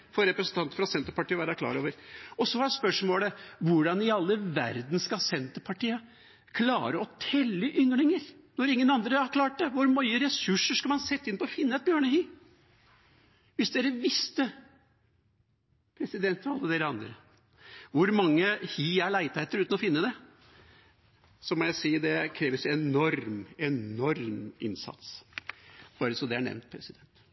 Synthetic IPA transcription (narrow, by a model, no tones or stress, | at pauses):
fɔɾɾɛpɾəsən̩t̪ɑnt̪əfɾɑsɛnt̪əɾpɑʈiːəʋæːɾəkʰlɑ̰ːɾoːʋəɾɔsɔhɑɛspœʂmoːləʋʊɖɑnɪɑlːəʋæ̰ɾd̪n̩skɑsɛnt̪əpʰɑʈiːə | kʰlɑ̰ːɾəɔt̪ʰɛlːəʔʏŋɳɪŋəɾnɔɾɪŋːənɑnd̪ɾəɑɾkʰlɑːʈ̚d̪ɛʋʊɾmœʏəɾɛsʉʂəʂkɑlmɑnsɛt̪ːɪnpʰɔɔfɪnːəɛt̪̚bjøːɳəhiː | ʋɪsd̪eːɾəʋɪst̪ə | pʰɾɛsɪd̪ɛnt̪ʰːɔɑlːəd̪eːɾəɑnd̪ɾə | ʋʊɾmɑŋːəhiːæɭæɪt̪ʰæɪt̪əɾʉːt̪nɔfɪnːəd̪ɛ | sɔmɔjæɪsiːd̪ɛkʰɾeːʋəsɛnɔɾmɛnɔɾmɪ̰nsɑ̰t̪s | b̥ɑːɾəsɔmd̪ɛæɳɛ̰ʋnt̪̚pʰɾɛsɪd̪ɛnt̪